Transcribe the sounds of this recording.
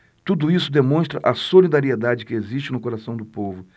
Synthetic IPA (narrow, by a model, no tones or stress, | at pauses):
t̪ud̪ʊisʊd̪emõst̪ɾɐʔɐsolid̪aɾied̪ad͡ʒɪkɪeziʃt͡ʃɪnʊkoɾasɐ̃w̃d̪ʊpovʊ